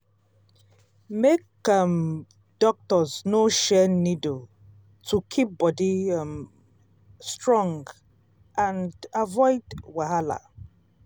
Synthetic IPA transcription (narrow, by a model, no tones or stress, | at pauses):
mek | am | d̥ɔk̚tɔznoʃɛnido | tʰukʰip̚bɔdim | stɹɔ̃ŋɡ | ʔãndavɔɪdwaɦala̰